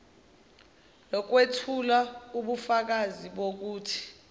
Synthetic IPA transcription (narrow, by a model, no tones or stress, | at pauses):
lɔk̬wetʰulauɓufak̬aziɓok̬uːtʰi̥